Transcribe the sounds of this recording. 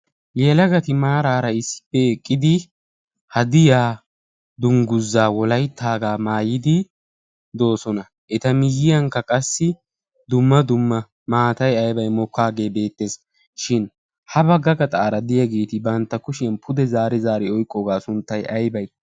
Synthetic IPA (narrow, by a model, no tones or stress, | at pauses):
jɛlɐɡɐt̪ɪmaːɾaːɾɐɪsːɪ̥pːɛɛkʼːɪd̪ɪ | hɐd̪ɪjaː | d̪ʊŋɡʊzːaːwɔlɐjt̪ːaːɡaːmaːjɪd̪ɪ | d̪o̞ːsɔnɐ | ʔɛt̪ɐmɪjːɪjɐŋkːɐkʼɐsːɪ | d̪ʊmːɐd̪ʊmːɐ | maːt̪ɐjɐjbɐjmɔkːaːɡe̞ːbe̞ːt̪ːe̞ːs | ʃɪn | hɐbɐɡɐɡɐt̪ʼaːɾɐd̪ɪjɐɡeːt̪ɪbɐnt̪ːɐkʊʃɪjɐnpʰʊd̪ɛzaːɾɛzaːɾɪɔjkʼːɔɡaːsʊnt̪ːɐjʔɐjbɐj